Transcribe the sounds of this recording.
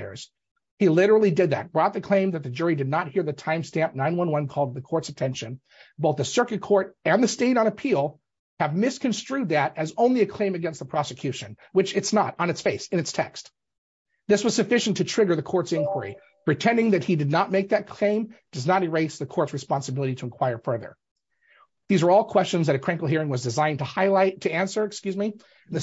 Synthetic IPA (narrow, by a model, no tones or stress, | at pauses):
ə̰˞z̥ | hilɪɾə˞l̩ˠidɨd̪̚ðɨ̰t̚b̥ɹɔt̪̚ðɨkʰl̥ẽɪ̃mðɨt̪̚ðɨd͡ʒʊɹidɨdⁿnət̚hiɹðɨtʰãɪ̃mstæ̃mp̚nãɪ̃nwʌ̃nwʌ̃nkʰɔlˠd̪̚ðɨkʰɔɹtsɨtʰɛ̃nʃɨ̃n | boʊθðɨsɜ˞kɨt̚kʰɔɹɾɨ̃nðɨsteɪɾn̩ɨpʰilˠ | ɨvmɪskʰɨ̃nstɹ̥ʉd̪̚ðɨɾɨzõʊ̃nliɨkʰl̥ẽɪ̃mɨɡɛ̃nst̪̚ðəpʰɹ̥ɑsɨkʰj̥ʉʃɨ̃n | wɨt͡ʃɨtsnəɾn̩ɨtsfeɪsɨ̃nɨtstʰɛ̰kst̚ | ðɪswʌz̥sɨfɪʃn̩tʰɨtʰɹ̥ɪɡə˞ðɨkʰɔɹtsɪ̃nkʰwə˞ḭ | pʰɹ̥itʰɛ̃ndɪ̃ŋðɨt̚hidɨdⁿnət̚meɪk̚ðɨt̚kʰl̥ẽɪ̃md̥ʌznəɾɨɹeɪsðɨkʰɔɹtsɹɨspɑ̃nsɨbɪlˠəɾiɾəɨ̃nkʰw̥aɪə˞fɜ˞ðə̰˞ | ðizwə˞ɔlˠkʰw̥ɛst͡ʃɨ̃nzðɨɾɨkʰɹ̥æ̃ŋkl̩ˠɦiɹɪ̃ŋwʌzdɨzãɪ̃ntʰəhaɪlaɪtʰɨæ̃nsə˞ɨkskjʉzmi | n̩ðɨ